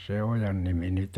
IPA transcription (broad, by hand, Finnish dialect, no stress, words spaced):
se ojɑn nimi nyt